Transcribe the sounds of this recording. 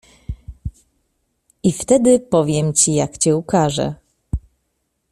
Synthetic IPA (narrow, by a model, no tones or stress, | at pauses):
ift̪ɛd̪ɘpɔvʲjɛmt͡ɕijakt͡ɕɛukaʐɛ̰